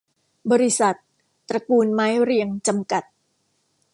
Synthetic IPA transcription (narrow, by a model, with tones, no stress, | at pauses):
bɔː˧ɾi˦˥sa˨˩t̪̚ | pːɾa˧kuː˧nmaː˦˥jɾi˧əŋt͡ɕa˧mka˨˩t̪̚